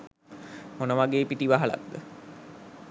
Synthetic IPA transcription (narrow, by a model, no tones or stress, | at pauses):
monəʋaɡeːpiʈiʋaɦala̰td̪ə